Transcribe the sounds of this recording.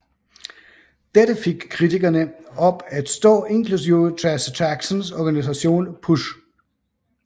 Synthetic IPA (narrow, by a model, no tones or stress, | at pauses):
d̥edəfe̝ɡ̥kʰːʁit͡sʰiɡ̥ɐnəɒ̽b̥æd̥sd̥ɔ̰̽ːʔe̝nkʰlus̬iʊt͡sʰæst͡sʰæɡ̥sɔnsɒɡ̥ænis̬æɕo̝̰ːnpʰuʃ